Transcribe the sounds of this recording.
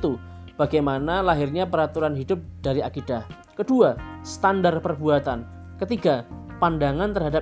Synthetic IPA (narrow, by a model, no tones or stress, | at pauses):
t̪ub̥aɡajmanalaɦɪrɲapəɾat̪uɾanɦidʊp̚d̥aɾiakidah | kəduasə̥t̪andarpərbuat̪an | kət̪iɡa | pandaŋant̪ərɦada